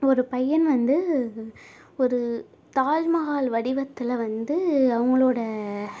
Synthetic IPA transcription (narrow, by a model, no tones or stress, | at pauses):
ɔɾɯpɐjːɐnʋɐnd̪ɯ | ɔɾɯ | t̪aːlmɐɣaːlʋɐɽɪʋɐt̪ːɪlʋɐnd̪ɯɐʋɐŋɡɐɭoːɽɐ